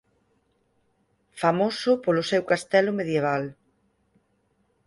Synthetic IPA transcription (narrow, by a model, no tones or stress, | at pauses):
famosʊpolʊsɛwkast̪ɛlʊmeðjeβ̞al